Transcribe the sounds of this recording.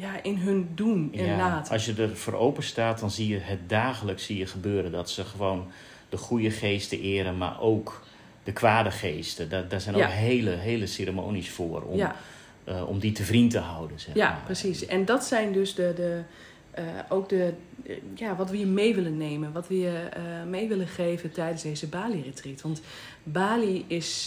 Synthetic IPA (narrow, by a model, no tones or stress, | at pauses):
jaʔɪnɦøndunɪdaːtɔsjədərfəro̰wpənstaːt̚dɔnzijəɦət̚daːɣələksːijəχəbøːɾəndɔtsəχəʋoːn | dəχujəχeːstəʔɪːəɾənma̰rʔoːk | d̥əkʰʋaːdəxeːstəddazɛjnkɦeːləɦeːləseːɾəmo̰ːnisfoːərɔ̰m | ɔ̰mditəvrintəɦawdənzɛjaprəsisɛndɔtsɛjndøsdədə | oːk̚də | jaːʋɔtʋəjəmejʋɪlənːejmənʋɔtʋəjəmejʋɪlənχeːvətɛjdənsdejzəbaːlirətritʋɑnt | baːliɪs